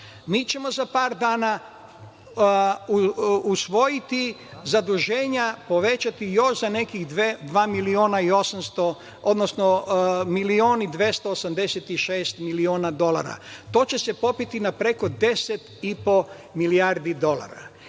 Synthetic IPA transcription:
miːt͡ɕe̞mo̞zapaːɾd̪aːna | usʋo̞jit̪izad̪uʒe̞ːɲapo̞ʋe̞t͡ʃat̪ijo̞ʃzane̞kiɣd̪ʋed̪ʋaːmilioːnaio̞samst̪o | od̪nosnomilioːnid̪ʋʲje̞st̪oːsamd̪e̞set̪iʃe̞ːst̪milioːnad̪o̞lˠa̰ɾa̰t̪o̞ːt͡ɕe̞se̞po̞pit̪inapɾe̞ko̞d̪e̞set̪ipo̞ | miliaɾd̪id̪o̞lˠa̰ɾa̰

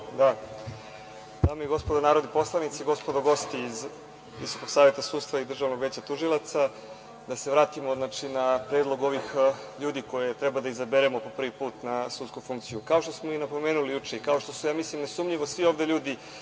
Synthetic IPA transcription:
d̪a | d̪aːmeiɡo̞spo̞d̪onaːɾod̪nipo̞slˠanit̪siɡo̞spod̪oɡo̞st̪iːz | ʋḭso̞ko̞ɡ̥saːʋje̞t̪asuːd̪st̪vaid̪r̩ʒaʋno̞ɡʋe̞ːt͡ɕat̪uʒilˠat̪sa | d̪ase̞ʋɾaːt̪imo̞znaːt͡ʃinapɾeːd̪lˠo̞ɡo̞ʋixʎuːd̪iko̞jet̪ɾɛbad̪aizabeɾemopo̞pr̩ʋipuːt̪nasut̪skufuŋkt̪sijukaoʃt̪o̞smo̞inapo̞meːnulijut͡ʂeikao̞ʃt̪osujaːmislimnesumʎiʋosʋiovd̪eʎuːd̪i

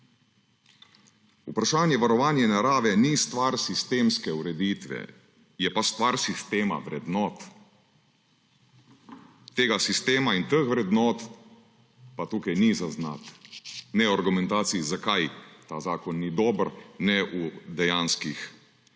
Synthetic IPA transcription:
upɾaʃaːnjɛʋaɾɔʋaːnjɛnaɾaːʋɛnist̪ʋaɾsist̪eːmskɛuɾɛd̪iːt̪ʋɛ̰ | jɛpast̪ʋaɾsist̪eːma̰ʋɾɛd̪nɔːt̪ | eːɡasist̪eːmaint̪əxʋɾɛd̪nɔːt̪ | pat̪uːkajnizazna̰t̪nɛwaɾɡumɛ̃nt̪aːt̪siizakajt̪aːzaːkɔnːid̪ɔːbəɾnɛʔud̪ɛjaːnskix

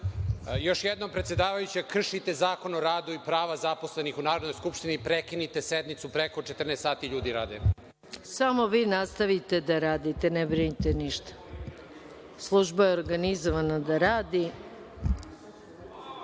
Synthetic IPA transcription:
jo̞ʃjed̪nompɾet̪sje̞d̪aːʋajut͡ɕekr̩ʃit̪ezaːko̞noɾaːd̪uipɾaːʋazaposlenixunaːɾod̪nojskupʃt̪inipɾekinit̪esed̪mit̪supɾeko̞t͡ʃet̪r̩nest̪aːt̪iʎuːd̪iɾaːd̪e | samo̞ʋiːnast̪aʋit̪e̞d̪aɾaːd̪it̪e̞nebɾinit̪eniʃt̪ḁ | slˠuʒbajeoɾɡanizoʋanad̪aɾaːd̪i

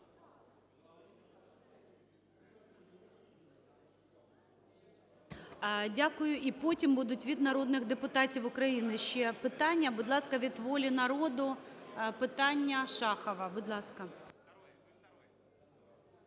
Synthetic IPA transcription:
dʲakʊjʊʔipɔtʲimbud̪ʊtʲʋʲid̪nɐɾɔd̪nɪɣd̪epʊt̪ɑtʲiwʊkɾɐjinɪʃt͡ʃɛpɪt̪ɑnʲːɐbʊd̪lˠɑskɐʋʲid̪ʋɔlʲinɐɾɔd̪ʊpɪt̪ɑnʲːɐʃɑxɐʋɐbʊd̪lˠɑskɐ

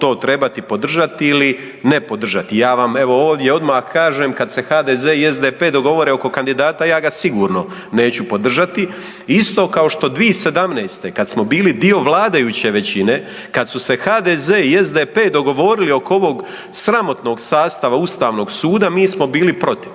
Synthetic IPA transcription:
t̪o̞ːt̪ɾe̞bat̪ipo̞d̪r̩ʒat̪iili | ne̞po̞d̪r̩ʒat̪ijaːʋame̞ʋo̞oːʋd̪je̞o̞d̪maːxkaːʒe̞ːmkad̪se̞xaːd̪ezeiezd̪epeːd̪o̞ɡo̞ʋo̞ɾeo̞ko̞kand̪id̪aːt̪ajaːɡasiɡuːɾno̞ | ne̞ːt͡ɕupod̪r̩ʒat̪i | ist̪o̞ːkao̞ʃt̪o̞d̪ʋiese̞d̪amneːst̪e̞kad̪smo̞biːlid̪io̞ʋlˠaːd̪ajut͡ɕe̞ʋe̞t͡ɕine̞ | kad̪suse̞xaːd̪ezeːiezd̪epe̞ːd̪o̞ɡo̞ʋo̞ɾilio̞kooʋo̞ɡ | sɾamo̞t̪no̞ːɡsaːst̪aʋaust̪aːʋno̞ɡsuːd̪amiːsmo̞biːlipɾo̞t̪i̥ʋ

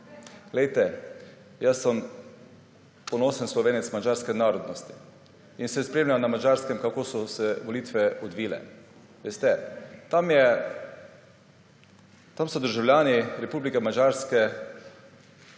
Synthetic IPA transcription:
ɡlɛjt̪ɛ | jasːəm | pɔnoːsənslɔʋeːnɛt̪smad͡ʒaɾskɛnaːɾɔd̪nɔst̪i̥ | insɛspɾeːmlʲamnamad͡ʒaɾskɛmkakoːsɔsɛʋɔliːt̪ʋɛɔd̪ʋiːlɛ̰ | ʋeːst̪ɛt̪amjɛ | t̪amsɔd̪əɾʒawlʲjaːniɾɛpublikɛmad͡ʒaɾskɛ

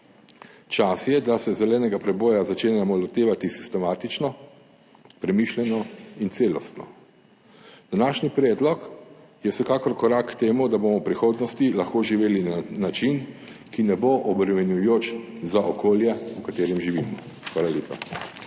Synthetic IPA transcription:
t͡ʃasjɛd̪asɛzɛlɛːnɛɡapɾɛbɔːjazat͡ʃeːnɛɛmɔlɔt̪eːʋat̪isi̥st̪ɛmaːt̪it͡ʃnɔ | pɾɛmiʃlʲjɛnɔint̪seːlɔst̪nɔ | d̪̥anaːʃnipɾɛːd̪lɔk | jɛwsɛkaːkɔɾkɔɾakːt̪eːmud̪abomɔwpɾixoːd̪nɔst̪ilaxkoːʒiʋeːlinnat͡ʃin | kinɛboʔɔbɾɛmɛnjujoːt͡ʃ | zaʔɔkoːljɛukat̪eːɾɛmʒiʋiːmɔ | xʋaːlaleːpa̰

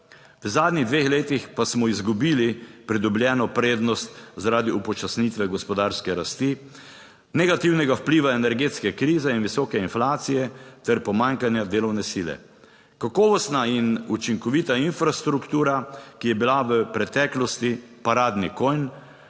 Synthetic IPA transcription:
ʋəzaːd̪niɣd̪ʋeːxleːt̪ixpasmɔizɡubiːlipɾid̪ublʲjɛːnɔpɾeːd̪nɔst̪zaɾaːd̪iupɔt͡ʃasnit̪ʋɛɡɔspɔd̪aːɾskɛɾast̪i | nɛɡat̪iwnɛɡawpliːʋaɛnɛɾɡeːt̪skɛkɾiːzɛinʋisɔːkɛinflaːt̪sijɛt̪ɛɾpɔmaːŋkanjad̪eːlɔwnɛsiːlɛ̰ | kakɔːʋɔst̪nainut͡ʃiŋkɔʋiːt̪ainfɾast̪ɾukt̪uːɾakijɛbilaʋəpɾɛt̪ɛːklɔst̪i | paɾaːd̪nikojn

